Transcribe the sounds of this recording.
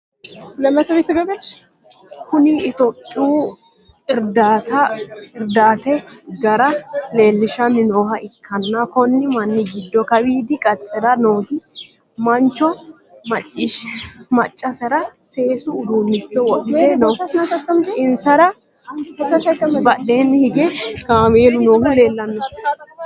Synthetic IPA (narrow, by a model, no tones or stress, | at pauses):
lɐmɛt̪ːɔbɪt̪ːɪɡɐbɛ | kʊniɪt̪opʼːɪuː | ɪɾd̪aːt̪ɐɪɾd̪aːt̪ɛɡɐɾɐle̞ːlːɪʃɐnːɪnoːhɐɪkʰːɐnːɐkɔnːɪmɐnːɪɡɪd̪ːɔkɐwiːd̪ɪkʼɐt͡ʃʼːɛd̪ɐnoːt̪ɪ | mɐnt͡ʃːɔ | mɐt͡ʃʼːɪʃmɐt͡ʃʼːɐsɐɾɐse̞ːsʊʊd̪uːnːɪt͡ʃːɔwɔkːɪenɐwnɐsɐt̪ːɐmɪnsɐɾɐ | ɐt̪ɐt̪ːɐmbɐʔːeːnːɪhɪɡɛkaːmeːlʊnoːhɐleːlːɐnːɐ